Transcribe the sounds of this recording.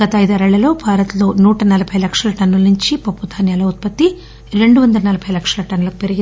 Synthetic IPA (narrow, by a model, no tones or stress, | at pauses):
ɡɐt̪ɐɐjd̪ɐɾɐɭːɐlo̞ːbʱaːɾɐt̪lo̞ːnuːʈɐnɐlɐbʱɐjlɐkʂɐlɐʈɐnːulɐnuɲt͡ʃipɐpːud̪ʱaːnjaːlɐut̪̚pɐt̪ːi | ɾe̞ɳɖuʋɐnd̪ɐlɐnɐlɐbʱɐjlɐkʂɐlɐʈɐnːulɐkupeɾiɡi